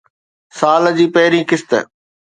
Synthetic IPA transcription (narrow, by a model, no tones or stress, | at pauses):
saːld͡ʑiːpɐɦɾĩːkɪst̪ə̰